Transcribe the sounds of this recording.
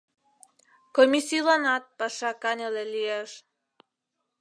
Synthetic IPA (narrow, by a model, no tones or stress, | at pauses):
komisilanat̪̚pasakanalelies